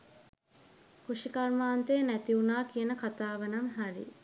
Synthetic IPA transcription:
kuʂikɐrmaːnt̪ejːnæt̪iunaːkijənəkat̪aːʋənamɦaɾḭ

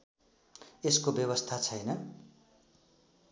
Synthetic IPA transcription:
eskobjʌbʌst̪ʰat͡sʰʌjnʌ

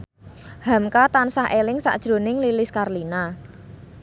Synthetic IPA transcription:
hamkat̪ansaɦʔelɪŋsa̰ʔd̥ʒ̥ɾo̤nɪŋlilɪskarlina

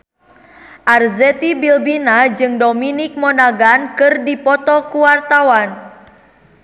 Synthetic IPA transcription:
ʔarzɛt̪ibilbinad͡ʒɨŋdominik̚mɔnaɡankɨrdipɔt̪ɔkuwart̪awan

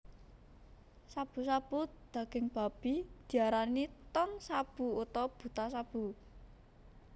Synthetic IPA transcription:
sab̥ṳsab̥ud̪̥ä̤ɡ̥ɪŋb̥a̤b̥i̤d̪̥i̤aɾanit̪ɔŋsab̥ṳut̪ɔb̥ṳt̪asab̥ṳ

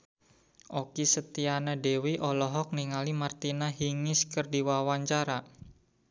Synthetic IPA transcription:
ʔokisət̪ianadewiʔɔlɔɦɔk̚niŋalimart̪inaɦiŋɪskərdiwawaɲt͡ʃaɾa

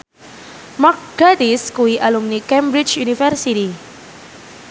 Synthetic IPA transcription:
mak̚ɡ̥adiskuiʔalumnikɛ̃mbɾit͡ʃjunifɛrsiɾi

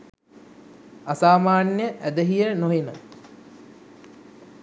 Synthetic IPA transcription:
asaːmaːnjəʔæd̪əɦijənoɦenə

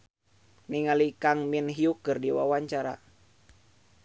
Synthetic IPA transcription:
niŋalikaŋminɦiukɨrdiwa̰waɲt͡ʃaɾa̰

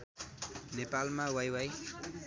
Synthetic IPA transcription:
nepalmawajwaj

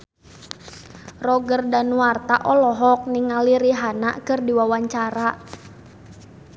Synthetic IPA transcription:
rɔɡərdanuwart̪aʔɔlɔɦɔk̚niŋaliɾiɦana̰kɨrdiwawaɲt͡ʃaɾa

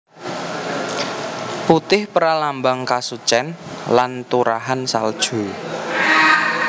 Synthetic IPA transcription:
put̪ɪhpəɾalambaŋkasut͡ʃɛnlant̪uɾaɦansald̥ʒ̥ṳ

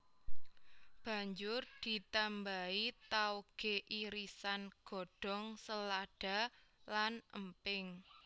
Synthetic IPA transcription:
b̥ä̤ɲd͡ʒʊrd̪̥i̤t̪ambait̪aoɡ̥e̤ʔiɾisanɡ̥ɔ̤ɖ̥ɔ̤ŋsəlaɖ̥a̤lanəmpɪŋ

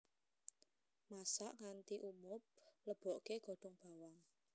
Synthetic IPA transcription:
masaʔŋant̪iʔumʊp̚ləb̥ɔ̤ʔkeɡ̥ɔ̤ɖ̥ɔŋb̥a̤waŋ

